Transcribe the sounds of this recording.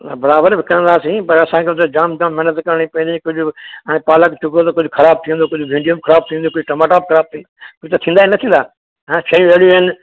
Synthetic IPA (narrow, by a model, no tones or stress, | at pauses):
bɐɾaːbəɾbʱɪkɐɾə̃nd̪aːsĩːpɐɾɐsãːkʰet̪od͡ʒaːmd͡ʒaːmːɛɦːnət̪kɐɾɽ̃ipɐ̃nd̪ikʊd͡ʑʱʊə̃ẽpaːləkt͡ʃʊkot̪ɐkʊd͡ʑʱʊkʰɐɾaːb̚t̪ʰĩːnd̪oːkʊd͡ʑʱʊʋʱĩːɳɖijumkʰɐɾaːb̚t̪ʰĩːnd̪oːkʊd͡ʒʱʈɐmaːʈaːp̚kʰɐɾaːb̚t̪ʰĩnkʊd͡ʒʱʊt̪ɐt̪ʰĩːnd̪aːinɐt̪ʰĩːnd̪aː | ɦɛ̃ːʃɐjũeɽjoɦɪn